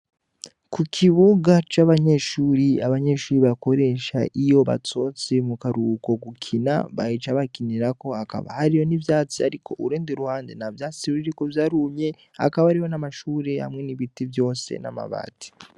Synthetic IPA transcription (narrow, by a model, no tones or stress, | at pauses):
kukʰiβuɡat͡ʃaβaɲe̞ʃuːɾiaβaɲe̞ʃuːɾiβako̞ɾe̞ʃa̰ʔijo̞βa̰t͡so̞ːt͡semukaɾuːko̞ɡukʰina̰βait͡ʃaβakiniɾako̞aka̰βa̰haɾijo̞nivjaːt͡siha̰ɾikʰo̞̰ʔuɾeːndiɾuhaːndḛnavjaːt͡siuɾiɾikovjaɾuːmɲe̞ | a̰kaβaɾiho̞namaʃuːɾe̞ha̰mŋe̞niβitivjo̞ːsḛna̰ma̰βa̰ːti̥